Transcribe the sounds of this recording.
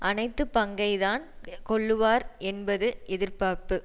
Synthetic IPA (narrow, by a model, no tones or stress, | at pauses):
ʔɐnɐɪt̪ːɯpɐŋɡɐɪðaːnkɔɭːɯʋaːɾɛnbɐðɯʔɛðɪɾpaːɾpɯ